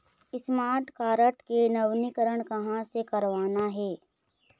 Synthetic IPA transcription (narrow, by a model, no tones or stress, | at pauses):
ɪsmaːɾʈkaːɾəʈkenɐʋnikəɾəɽ̃kɐɦãsekɐɾʋaːnaɦɛː